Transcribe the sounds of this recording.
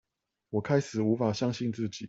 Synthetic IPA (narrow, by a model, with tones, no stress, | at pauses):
wɔ˨˩kʰa˥ɪʂɹ̩˨˩u˧˥fa˨˩ɕjɑ˥ŋɕi˥˧nt͡sɹ̩˥˩t͡ɕi˨˩˦